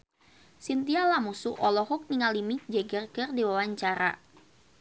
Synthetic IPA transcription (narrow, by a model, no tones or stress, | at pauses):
sint̪ialamusuʔɔlɔɦuk̚niŋalimid͡ʒɛɡərkɨrdiwawaɲt͡ʃaɾa̰